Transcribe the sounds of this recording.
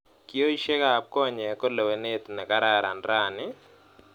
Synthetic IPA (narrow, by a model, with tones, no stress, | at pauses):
ki˦o˦i˦ʃɛ˦ka˦˨p̚kɔ˦˨ɲɛ˨ko˦lo˨we˨ne˦t̪nɛ˨ka˦ɾa˦˨ɾa˨ndɾa˦˨nɪ˦